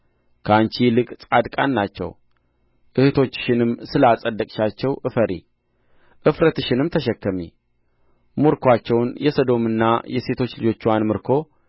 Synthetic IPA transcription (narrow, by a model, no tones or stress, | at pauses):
kʰəant͡ʃilɨkʼt͡sʼad̪kʼanːat͡ʃːɛ̰w | ʔɨht̪ʰo̞t͡ʃːɨ̥ʃɪnɨmsɨləasʼəd̪ːəkʼʃat͡ʃːɛwʔɨfəɾi | ʔɨfɾət̪ɨʃɪnɨmt̪ʰəʃɛkːəmḭ | muɾkʰwat͡ʃːɛwnjɛsod̪o̞mɨnːa̰jɛse̞t̪ʰo̞t͡ʃːlɨd͡ʒo̞t͡ʃːwanmɨɾkʰo̞